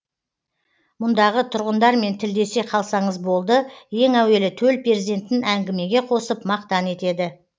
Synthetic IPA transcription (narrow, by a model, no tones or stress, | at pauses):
mʊnd̪ɑʁət̪ʰʊɾʁənd̪ɑɾme̞nt̪ʰɪld̪e̞se̞qʰɑlˠsɑɴəzbo̞lˠd̪əje̞ŋæwe̞lɪt̪ʰɵlpʰeɾzid̪e̞nt̪ːɪnæŋɡʲɪme̞ɡʲe̞qʰo̞səpmɑq̚t̪ɑne̞t̪e̞d̪ɪ